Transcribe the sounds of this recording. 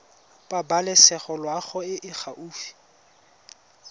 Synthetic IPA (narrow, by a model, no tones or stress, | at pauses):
pʼabalɛsɛχɔlwaχɔɪʔɪχʰaʔuːfi̥